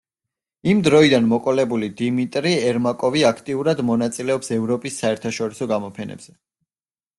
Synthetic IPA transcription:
imd̪ɾɔid̪anmɔkʼɔlɛbulid̪imit̪ʼɾiɛɾmakʼɔviakʰt̪ʼiuɾad̪mɔnat̪sʼilɛɔpsɛvɾɔpʼisːaɛɾt̪ʰaʃɔɾisɔɡamɔpʰɛnɛ̰bz̥ɛ

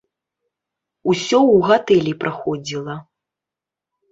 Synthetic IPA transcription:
usʲɔwɣat̪ɛlʲipɾʔaxɔd͡zʲilˠɐ

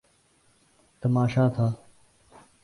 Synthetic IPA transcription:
t̪əmaːʃaːt̪ʰaː

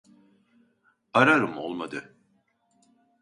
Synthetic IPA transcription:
aɾaɾɯmo̞lˠmad̪ɯ

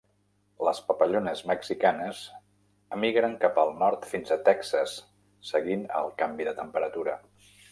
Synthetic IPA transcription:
ləspəpəʎonəzməksikanəz | əmiɣɾəŋkapəlˠnɔɾt̪finzət̪ɛksəsː | əɣinə̰lˠkambiðət̪əmpəɾət̪uɾə

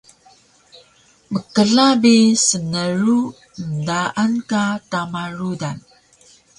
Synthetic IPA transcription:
məkəɮabisənəɾu | əndaʔankatamaɾudan

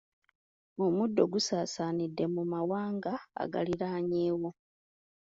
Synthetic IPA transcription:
omudːo̞ɡusaːsaːnidːe̞mumawaːŋɡa̰ːɡa̰liɾaːɲeːwo̞

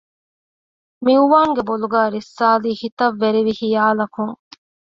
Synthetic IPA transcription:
miuʋaːŋɡeboluɡæːɾisːaːliːhit̪ɐʋːeɾiʋihijaːlɐkuŋ

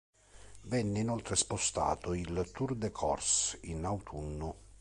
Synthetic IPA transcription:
vɛnːeinɔlt̪ɾespost̪a̰ːt̪oilt̪urd̪ekʰɔ̰rsinawt̪ʰunːʊ

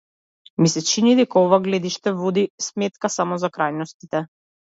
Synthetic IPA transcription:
misɛt͡ʃinid̪ɛkaɔvaɡlɛd̪iʃt̪ɛvɔd̪ismɛt̪̚kasamɔzakɾajnɔst̪it̪ɛ

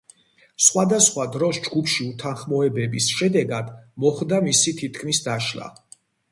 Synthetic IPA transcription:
sχwad̪asχwad̪ɾɔsd͡ʒɡupʰʃiut̪ʰanχmɔɛbɛbisʃɛd̪ɛɡad̪mɔχd̪amisit̪ʰit̪ʰkʰmisd̪aʃla̰

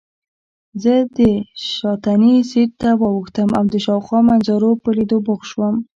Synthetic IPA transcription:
zəd̪əʃɑt̪anisiɾ̚t̪awɑwəxt̪əmawd̪əʃɑwxwɑmanzaɾopəlid̪obʊɣʃwəm

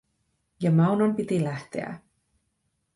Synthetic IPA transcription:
jɑmɑwnompit̪ilæht̪e̞̰æ̰

